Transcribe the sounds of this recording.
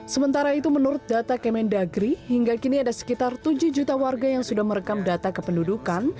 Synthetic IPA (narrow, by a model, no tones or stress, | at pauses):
səmənt̪aɾait̪umənuɾʊt̪̚dat̪akɛmɛndaɡɾihiŋɡakiniadasə̥kit̪art̪ud͡ʒuhd͡ʒut̪awarɡajaŋsudahməɾəkamdat̪akəpəndudukan